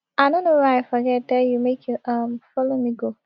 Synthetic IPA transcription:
aɪdõnːowaafɔɡɛt̚dɛjumekʰjuʔʌmfɔlomiɡo

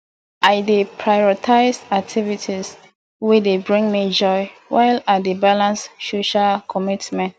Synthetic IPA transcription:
aɪdepʰɹajɔɔtʰaɪsak̚tʰivitʰis | widebɹĩŋmid͡ʒɔɪwʔaɪladebalãnssoʃakʰɔmitmɛ̃nt

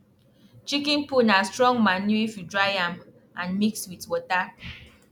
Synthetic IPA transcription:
t͡ʃikĩnpunastɹɔ̃ŋmanuifudɹajam | ãnmikswitwɔta

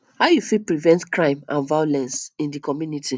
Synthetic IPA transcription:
hawjufipɹivɛ̃ntkɹãɪ̃mãnvajolɛ̃nsĩndikɔmjunitʰi

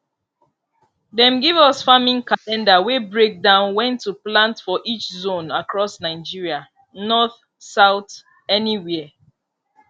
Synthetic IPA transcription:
dɛ̃mɡivɔsfamĩnkalɛ̃ndawebɹek̚dãʊ̃nwɛ̃ntːuplãntfɔʔit͡ʃzõnakɹɔsnaɪd͡ʒiɹia | nɔθ | saʊt | ɛniwɛ

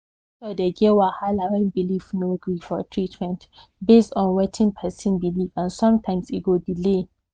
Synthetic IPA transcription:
sɔdeɡewahalaɹɛ̃nbilifnoɡɹifɔtʰɹitmɛ̃nt | bestɔ̃nwɛtʰɪ̃ŋpʰɛsĩnbilifãnsɔ̃mtʰãɪ̃msiɡodile

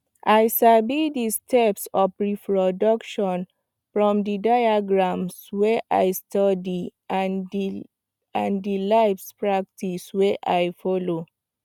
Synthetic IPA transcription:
ʔajsabidistʰɛpsɔfɹipɹɔdɔkʃɔ̃n | fɹɔ̃mdidajaɡɹãmswɛʔajstʰɔdian | ãndilajfspɹak̚tʰiswɛʔajfɔlo

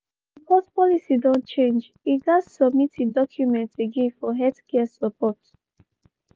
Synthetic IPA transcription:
bɔtpɔlisidɔ̃nt͡ʃẽnd͡ʒ | iɡazsɔb̚mitidɔkʰjumɛ̃ntʰeɡẽnfɔɦɛdkɛsəpɔt

